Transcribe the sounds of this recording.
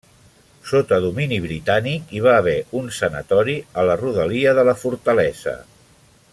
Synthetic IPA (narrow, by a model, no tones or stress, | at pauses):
sot̪əðuminiβɾit̪anikiβ̞aːβ̞ɛunsənə̰t̪ɔɾiələruðəliəðələfuɾt̪əlɛzə̰